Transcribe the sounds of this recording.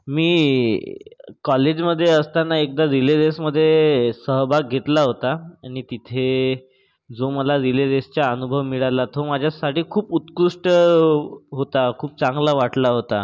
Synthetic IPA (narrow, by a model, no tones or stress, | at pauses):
miː | kɔled͡ʑməd̪ʱːjeəst̪anːaek̚d̪ad̪iled̪esməd̪ʱːjesəɦbʱaɡ̚ɡʱet̪laɦot̪aːɽ̃it̪it̪ʰe | d͡zoməlad̪iled̪est͡ɕjaənubʱəʋmiɭalat̪omad͡ʑʱjasaʈiːkʰuːput̪kuʂʈə | ɦot̪akʰuːp̚t͡sãŋɡlaʋaʈlaɦot̪a